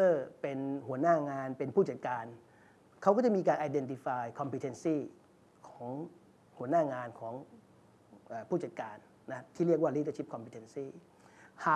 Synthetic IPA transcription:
ɤː˥˩pe˧nhu˩˦ənaː˥˩ŋaː˧npe˧npʰuː˥˩t͡ɕa˨˩t̪̚kaː˧n | kʰa˦˥wkɔ˥˩t͡ɕa˩˦miː˧kaː˧nʔaː˧jde˧nt̪i˧faː˧jkʰɔ˧mpʰi˧t̪ʰe˧nsiː˥˩ | kʰɔː˩˦ŋ | hu˨˩˦ənaː˥˩ŋaː˧nkʰɔː˩˦ŋ | ʔəː˨˩pʰuː˥˩t͡ɕa˨˩t̪̚kaː˧nːa˦˥t̪ʰiː˥˩ɾi˥˩k̬̚waː˥˩liː˦˥˩t̪ə˥˧˩t͡ɕʰi˦˥p̚kʰɔ˧mpʰi˧t̪ʰe˧nsiː˥˩ | haː˨˩

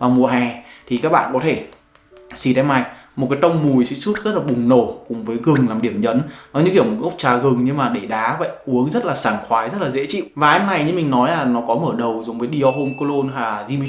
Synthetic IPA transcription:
vaː˨˩mu˨˩əɦɛ˨˩t̪ʰi˨kaː˦˥k̚ɓa̰ː˧˨nkɔ˨˦t̪ʰe˧˩ | si˧˩t̪ɛ˧ma˨˩jmo˨˩kaː˨˦jt̪ə˧wŋ͡mmu˨˩jsɨ̰˧˥su˦˥t̚zə˦˥t̚laː˨˩ɓʊ˨˩ŋ͡mno˧˩kʊ˨˩ŋ͡mvəː˨˦jɣɨ˨˩ŋlaː˨˩mɗi˧˩əmɲə̰˨˦nkɔ˨˦ɲɨ̰˧˥ki˧˩ə˩mo˨˩ʔə˦˥k͡p̚t͡ɕaː˨˩ɣɨ˨˩ŋɲɨ˧ŋmaː˨˩ɗe˧˩ɗaː˨˦və̰˧˨jʔu˨˦əŋzə˦˥t̚laː˨˩saː˧˩nxwaː˨˦jzə˦˥t̚laː˨˩zḛ˧˥t͡ɕḭ˧˨wvaː˨˩ɛ˧mna˨˩jɲɨ˧mï˨˩ŋ̟nɔ˨˦jlaː˨˩nɔ˨˦kɔ˨˦məː˧˩ɗə˨˩wzʊ˨˩ŋ͡mvəː˨˦jɗi˧ɔ˧ɦo˧mko˧lo˧nɦaː˨˩zi˧mi˧

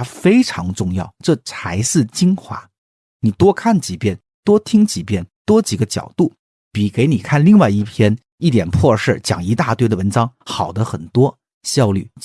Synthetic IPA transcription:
fe˥ɪʈ͡ʂʰɑ˧˥ŋʈ͡ʂʊ˥˧ŋjɑ̰˥˩ʊʈ͡ʂɤ˥˩t͡sʰa˧˥ɪʂɹ̩˥˩t͡ɕi˥ŋxwa̰˧˥ | ni˨˩t̪wɔ˥kʰa˥˩nt͡ɕi˨˩pjɛ˥˩n | t̪wɔ˥t̪ʰi˥ŋt͡ɕi˨˩pjɛ˥˩nt̪wɔ˥t͡ɕi˨˩ɡə˦t͡ɕjɑ̰˨˩ʊt̪u˥˩ | pi˨˩ke˧˥ɪni˨˩kʰa˥˧nli˥˧ŋwa˥˧ɪi˥˩pʰjɛ˥n | i˥˩t̪̬jɛ˨˩npʰwɔ˥˧ʂ̩˥˩t͡ɕjɑ̰˨˩ŋi˧˥t̪a˥˧t̪we˥˩ɪdə˨˩wə˧˥nʈ͡ʂɑ˥ŋxɑ˨˩ʊd̪ə˦xə˨˩nt̪wɔ˥ | ɕjɑ˥˧ʊly̰˥˩

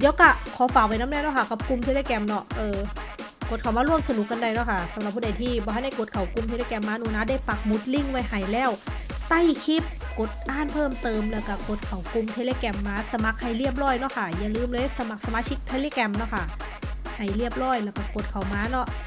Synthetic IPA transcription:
jɛː˦˥wka˧˩kʰɔː˨˦faː˨k̚wa˧˩jna˦˥mnɛː˧˥˩nɔ˧˥˩kʰa˧˩ka˨˩p̚ku˧mt̪ʰeː˧leː˧˥kɛ˧mnɔ˧˩ʔɤː˨˧ | ko˨˩t̪̚kʰa˨˩wmaː˧˥lu˥˩əŋmsa˧nu˨˦k̚ːa˧nda˧jnɔ˦˥˩kʰa˥˩sa˨˦mɾa˨˩p̚ʰːuː˧˩da˨˩jt̪ʰiː˥˩bɔː˧a˥˩jha˥˩jko˨˩t̪̚kʰa˨˩˦wku˧mt̪ʰe˧leː˧˩kɛ˧mːaː˧˥nuː˧˦naː˦˧˥daː˧˥˩jpa˨˩k̚mu˨˦˥t̪̚li˥˩ŋwa˧jha˨˩jlɛː˧˥˩w | t̪a˥˨jkʰi˧˦˥p̚ | ko˨˩t̪̚ʔaː˧˥˩npʰɤː˥˩˨mt̪ɤː˧mlɛː˧˩wka˧˩ko˨˩t̪̚kʰa˨˩wku˧mt̪ʰeː˧leː˧˨kɛ˧mːaː˧˥sa˧ma˨˧˦k̚ha˨˩jli˦˥˩əp̬̚lɔː˧˥˩jnɔ˧˥˨kʰa˧˥˩ja˨˩ŋlɯː˧˩mlɤː˧sa˧ma˨˩k̚sa˧maː˧t͡ɕʰi˦˥k̚t̪ʰe˧leː˧˥˨kɛ˧mnɔ˧˥kʰa˥˩ | ha˨˩jli˥˩əp̚lɔː˧˥˩jlɛː˧˩wka˧˩ko˨˩t̪̚kʰa˨˩˦wmaː˧˥nɔ˧˥˩ʔ

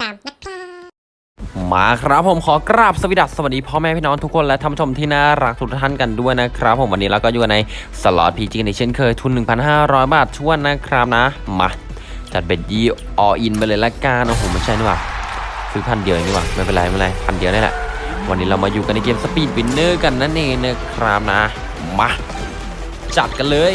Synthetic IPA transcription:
maː˧kʰɾa˦˥pʰːo˨˦mkʰɔː˨˦kɾaː˥˩p̚sa˧wi˦˥da˨˩t̪̚sa˧wa˨˩diː˧pʰɔː˦˥mɛː˧˥pʰiː˥˩nɔː˦˥nt̪ʰu˥kʰːo˧nlɛ˦˥ʔt̪ʰmpʰːu˥t͡ɕʰo˧mt̪ʰiː˥˩˧naː˥˩ɾa˦˥k̚t̪ʰu˧˥k̚a˧t̪ʰa˥˩˨nka˧ndu˥˩əjna˦˥kʰɾa˦˥pʰːo˨˩˦wa˧nːiː˦˥ɾa˧wkɔː˥˩juː˨ka˧na˧j | sa˧lɔ̰ː˨˩pʰiː˧t͡ɕi˧ŋna˧˩t͡ɕʰi˧˥ə˨nkʰɤː˧jt̪ʰu˧nːɯ˨˩ŋpʰa˧nɦaː˥˩ɾɔː˦˥jbaː˨˩t̪̚t͡ɕʰu˥˩ənːa˦˥kʰɾa˦˥p̚na˦˥ma˧ | t͡ɕa˨˩t̪̚be˨˩t̪̚jiː˧˩ | ʔɔː˧˩ʔi˧nma˧jlɤː˧jlɛ˦˥kaː˧˩nʔo˧˩ɦoː˨˦ma˥˩jt͡ɕʰa˥˩jniː˧˥˩waː˨˩kʰɯː˧˦pʰa˧ndi˧əwni˧˩wa̰ː˨˩ma˥˩jpe˧nla˧˩ma˧˥˩la˧˩jpʰa˧ndi˨˧əwni˥˩lɛ̰˨˩ʔwʔa˧nːiː˦˥ɾa˧wmaː˧juː˨˩ka˧nːa˧jkeː˧msa˧piː˨˩t̪̚wi˧˦nːɤː˥˩ka˧nːa˦˥nʔeː˧˩na˦˥˩kʰɾa˦˥p̚na˦˥ | ma˦˥ | t͡ɕa˨˩t̪̚ka˧nlɤː˧j

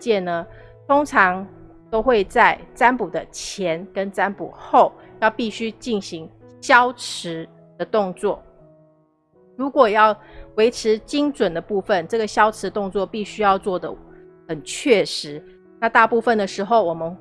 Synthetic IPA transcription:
t͡ɕjɛ˥˩˨nə˩ | t̪ʰo˥ŋʈ͡ʂʰɑ˧˥ŋ | t̪o˥ʊxwe˥˧ɪt͡sa˥˩ɪt͡sa˥npu˨˩d̪ə˦t͡ɕʰjɛ˧˦˥nkə˦˥nt͡sa˥npṵ˨˩xo˥˩ʊ | jɑ˥˧ʊpi˥˩ɕy˥t͡ɕi˥˩nɕi˧˦ŋ | ɕjɑ˥ʊʈ͡ʂ̩ʰ˧˥ | d̪̥ə˧t̪ʊ˥˧ŋt͡swɔ˥˩ | ɻu˧˦˥kwɔ˨˩jɑ˥˩ʊwe˧˥ɪʈ͡ʂʰɻ̩˧˥t͡ɕi˥ŋʈ͡ʂwə˨˩nd̪ə˦pu˥˧fə˥˨nʈ͡ʂɤ˥˩ɡə˩ɕjɑ˥ʊʈ͡ʂʰɻ̩˨˥t̪ʊ˥˧ŋt͡swɔ˥˧pi˥˩ɕy˥jɑ˥˧ʊt͡swɔ˥˩d̪ə̰˩ | xə˨˩nt͡ɕʰɥɛ˥˩ʂɻ̩˧˦ | na˥˧t̪a˥˧pu˥˧fə˨˩nd̪ə˩ʂɻ̩˧˥xo˥˩ʊwɔ˨˩mə˦n

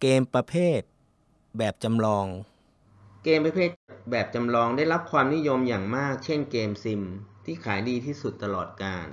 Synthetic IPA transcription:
keː˧mpɾa˧pʰeː˥˩t̪̚ | bɛː˨˩p̚t͡ɕa˧mlɔː˧ŋ | keː˧mpɾa˧pʰeː˥˩t̪̚bɛː˨˩p̚t͡ɕa˧mlɔː˧ŋdaː˥˩jɾa˦˥p̚kʰwaː˧mni˦˥jo˧mjaː˨˩ŋmaː˥˩k̚t͡ɕʰe˥˩nkeː˧msi˧mt̪ʰiː˥˩kʰaː˩˦jdiː˧t̪ʰiː˥˩su˨˩t̪ːa˧lɔː˨˩t̪̚kaː˧n

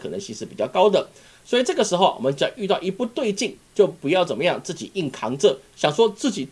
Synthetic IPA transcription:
kʰɤ˨˩nə̰˧˦ŋɕi˥˧ŋʂɻ̩˥˩pi˨˩t͡ɕjɑ˥˩ʊkɑ˥ʊd̪ə˨ | swɔ˥i˨˩ʈ͡ʂɤ˥˩ɡə˩ʂɻ̩˧˥xo˥˧ʊwɔ̰˨˩mə˦nt͡ɕɑ˥˧ŋʔy˥˧ɑ˥˩ʊʔi˧˥pu˥˧t̪we˥˧ɪt͡ɕi˥˧ŋt͡ɕjo˥˩ʊpu˧˥jɑ˥˩ʊt͡sə˨˩nmə˦jɑ˥˧ŋt͡sɹ̩˥˩t͡ɕḭ˨˩i˥˩ŋkʰɑ˧˥ŋt͡sɤ˥˧ɕjɑ˨˩ŋʂwɔ˥t͡sɹ̩˥˩t͡ɕi˨˩

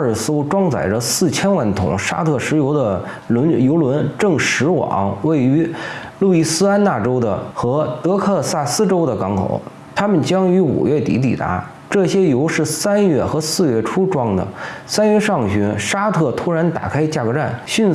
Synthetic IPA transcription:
s̩˥ʊ˧ʈ͡ʂwɑ˥ŋt͡sa̰˨˩ɪʈ͡ʂə˦sɹ̩˥˩t͡ɕʰjɛ˥nwa˥˩nt̪ʰʊ̰˧˩˦ŋʂa̰˥t̪ʰɤ˥˩ʂɻ̩˧˥jo˧˥ʊd̪ə˧ | lnjo˧˥ʊlwə˧˥nʈ͡ʂɤ˥˩ŋʂɻ̩˧˥wɑ̰˨˩˦ŋwe˥˩ɪy˧˥lu˥˩i˥˩sɹ̩˥a˥nna˥˩ʈ͡ʂo˥ʊd̪ə̰˨xɤ˧˥t̪ɤ˧˥kʰɤ˥˧sa˥˩sɹ̩˥ʈ͡ʂo˥ʊd̪ə˨kɑ˧˥ŋkʰo̰˨˩˦ʊ | t̪ʰa˥mə˨nt͡ɕjɑ˥ŋy˧˥ṵ˨˩ɥɛ˥˩t̪ḭ˧˥t̪̬ḭ˨˩t̪a̰˧˥ | ʈ͡ʂɤ˥˩ɕjɛ˥jo˧˥ʊʂɻ̩˥˩sa˥nɥɛ˥˩xɤ˧˥sɹ̩˥˧ɥɛ˥˩ʈ͡ʂʰu˥ʈ͡ʂwɑ˥ŋd̪ə̰˨˩sa˥nɥɛ˥˧ʂɑ˥˩ŋɕy˧˥nʂa˥t̪ʰɤ˥˩t̪ʰu˥ɻa˧˥nt̪a̰˨˩kʰa˥ɪt͡ɕja˥˩kɤ˧˥ʈ͡ʂa˥˩nɕy˥˧n

